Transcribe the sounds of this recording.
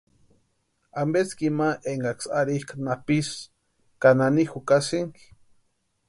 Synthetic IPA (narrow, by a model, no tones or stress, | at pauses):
ambet͡skimaʔeŋɡaksaɾihkanapis | kananixukasiŋk